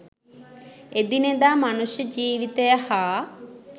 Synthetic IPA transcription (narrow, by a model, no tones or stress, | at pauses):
ed̪ined̪aːmanusjəd͡ʒiːʋit̪əjəhaː